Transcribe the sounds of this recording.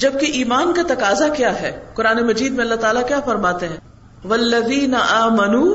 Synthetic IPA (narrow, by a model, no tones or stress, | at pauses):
d͡ʒɐb̚keʔiːmaːnkat̪ɐkaːzakjaːɦɛːkʊɾaːnemɐd͡ʒiːd̪mẽɐlːat̪aːlakjaːfɐɾmaːt̪eɦɛ̃ː | ʋɐlːɐðiːnɐʔaːmɐnuː